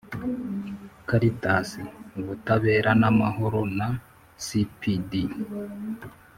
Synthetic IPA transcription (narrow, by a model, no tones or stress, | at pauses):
kaɾitasiβutaβe̞ːɾanamaɦo̞ɾona | sipidi